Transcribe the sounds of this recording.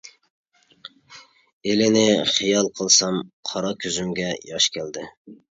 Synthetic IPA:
elɪnɪχijɑlˠqʰəlˠsɑmqʰɑɾɑkʲʰøzymɡʲɛjɑʃkʲʰɛld̪ɪ

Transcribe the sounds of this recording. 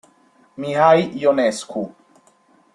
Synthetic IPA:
miɦajjonɛskʰu

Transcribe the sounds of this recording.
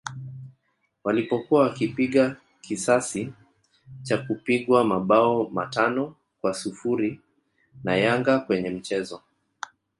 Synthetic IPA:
walipɔkuwawakipiɠa | kisasi | t͡ʃakupiɠwamaɓaɔma̰tanɔ | kwasufuɾi | najaŋɡakwɛɲɛm̩t͡ʃɛzɔ

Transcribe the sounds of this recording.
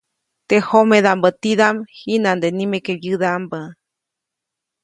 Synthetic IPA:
t̪ehomẽðambət̪iðamhinãnd̪enĩmẽkeβjɨðambə

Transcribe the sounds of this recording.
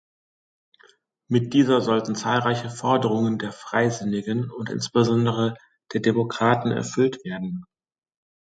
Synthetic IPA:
mɪt̚d̥iːzɐzɔltn̩t͡saːlʁaɪçəfɔɐdəʁ̞ʊŋəndeːɐfʁ̥aɪzɪnɪɡənʊntʔɪ̰nsb̥əzɔndəʁ̞ə | d̥eːɐdemokʁ̥aːtn̩ɛ̰ɐfʏltv̥eːɐdn̩

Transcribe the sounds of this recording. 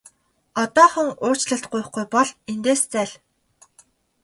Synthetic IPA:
ɔt̪ɔːχɵ̆ŋʊ̥ːt͡ɕɮə̆ɬt̪̚ɢʊj̆χɡujpɔɮent̪eːst͡sæːɮ

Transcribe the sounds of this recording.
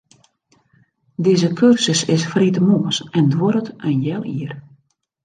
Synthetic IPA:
diːzəkʰørsəsɪsfritəmoːəsɛndwoɾətənjɛlˠiər

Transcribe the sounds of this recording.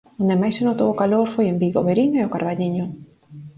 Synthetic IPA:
ond̪emajsenot̪owʊkaloɾfojembiɣo̰βeɾiɲoeokaɾβaʎiɲʊ

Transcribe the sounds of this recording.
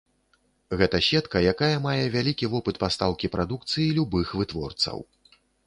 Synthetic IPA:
ɣɛt̪ɐɕʲɛt̪kɐjakajɐmajɛvʲalʲikʲivɔpɨt̪past̪awkʲipɾad̪ukt̪sɨjilʲubɨxvɨt̪vɔrt̪sɐ̰w

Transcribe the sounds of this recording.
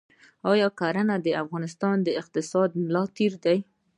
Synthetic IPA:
ɑjɑkaɾanad̪əafɣɑnɪst̪ɑnd̪əɪq̚t̪ɪsɑd̪̚mlɑt̪iɾd̪aj

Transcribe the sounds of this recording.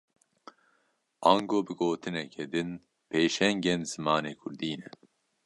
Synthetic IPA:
ɑːŋɡoːbɨɡoːt̪ʰɨnɛkʰɛd̪ɨn | pʰeːʃɛŋɡeːnz̥ɨmaːneːkʰʊɾd̪iːnɛ

